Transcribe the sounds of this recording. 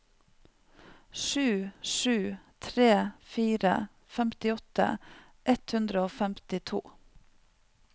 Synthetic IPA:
ʃʉːʃʉːt̪ʰɾeːfiːɾə̰ | fɛmt̪ɪɔt̪ə̰ | ʔɛt̪hʉnd̪ɾəoːfɛmt̪ɪt̪ʰṵː

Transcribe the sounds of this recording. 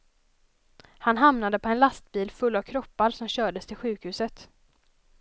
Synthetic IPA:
hanɦamnad̪əpʰɔɛnlast̪̚biːlfɵlːavkʰɾɔpːaɾsɔmɕœːɖəst̪ʰɪlɧʉ̟ːkhʉ̟ːsət̪

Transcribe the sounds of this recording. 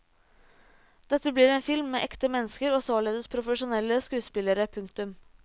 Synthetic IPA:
d̪̥ɛt̪ːəbliːɾeːnfɪlmːeːʔɛkt̪əmɛnːəskəɾoːsoːleːd̪əspʰɾʊfəʂʊnɛlːəskʉːspɪləɾəpʰʉŋkt̪ʉm

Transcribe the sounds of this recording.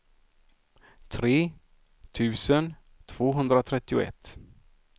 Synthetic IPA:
t̪ʰɾeː | t̪ʰʉ̟ːsən | t̪ʰv̥oːɦɵnd̪ɾat̪ʰɾɛt̪ːɪʊ̰ɛ̰t̪ː

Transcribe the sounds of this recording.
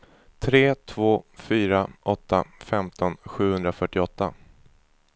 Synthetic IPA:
t̪ʰɾeːt̪ʰvoːfyːɾaʔɔt̪ʰːafɛmt̪ʰɔnɧʉ̟ːhɵnd̪ɾafœʈːɪɔt̪ːa

